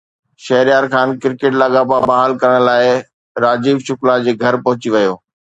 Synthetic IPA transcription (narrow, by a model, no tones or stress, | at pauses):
ʃɐɦɪɾijaːɾkʰaːnkɪɾkeːʈlaːɠababaɦaːlkɐɾəɽ̃laːɪ | ɾaːd͡ʑiːʋʃʊklad͡ʑeːɡʱɐɾpɐɦʊt͡ɕiʋɐjoː